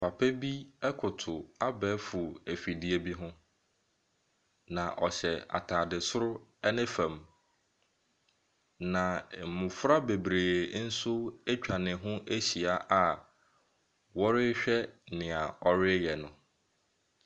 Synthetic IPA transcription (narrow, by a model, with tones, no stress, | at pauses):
pʰa˨pʰɛ˦bi˦ɛ˦kʰʊ˨tʰʊ˨a˦bɛː˦fʊ˨æ˨fi˨di˦e˦bi˦ɦʊ̃˦ | nã˨ʔɔ˨ɕɛ˨a̰˨tʰaː˨dɪ˨sʊ˦ɾʊ˦ɛ˦nɪ̃˦fã˨m | nã˨m̩˨mʊ̃˨fʊ˦ɾa˦be˨bɾeː˨n̩˦sʊ˦e˦t͡ɕᶣʰa˨nɪ̃˨ɦʊ̃˦ʔe˦ɕi˨a˨ʔa˨ | wɔ˦ɾɪ˦ɕᶣɛ˦nɪ̃˨a˨ɔ˦ɾɪ˦jɛ˨nʊ̃˨